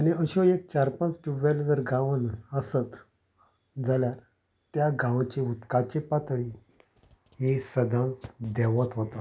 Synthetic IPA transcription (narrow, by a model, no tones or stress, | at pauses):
aniəɕɔek̚t͡ɕaɾpãnt͡sʈuʋald͡zəɾɡãʋənəsət̪ | d͡zalja | t̪jaɡãʋt͡ɕiut̪kat͡ɕepat̪ɭi | ɦisəd̪ʱãnt͡sd̪ɛʋət̪ɦot̪a